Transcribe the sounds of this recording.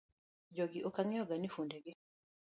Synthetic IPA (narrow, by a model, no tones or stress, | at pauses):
d͡ʒoɡiʔokaŋɛɔɡanifundɛɡɪ